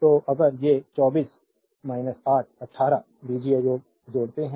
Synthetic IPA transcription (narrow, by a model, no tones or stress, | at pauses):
t̪oːʔɐɡəɾjet͡ʃɔːbiːs | maːɪnəsaːʈ̚ʰɐʈʰːaːɾa | biːd͡ʒiajoːɡ̚ | d͡ʒoːɽt̪eɦɛ̃